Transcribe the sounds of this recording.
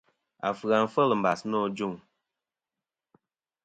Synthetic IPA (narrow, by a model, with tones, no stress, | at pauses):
a̰˨fɨ˨a˨n̩˦fə˦lɨ˨m̩˨ba˨snɔ˦d͡ʒu˦˨ŋ